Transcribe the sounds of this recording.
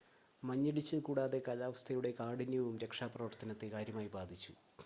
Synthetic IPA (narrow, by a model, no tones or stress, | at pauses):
mɐɲːiɽit͡ɕːɨkuːɽaːðe̞kɐlaːʋɐst̪ʰɐjuɽe̞kaːɽinjiʋumɾe̞kʂaːprɐʋɐrt̪ʰɐnɐt̪ːekaːɾjɐmaːjibaːd̪ʱit͡ɕːu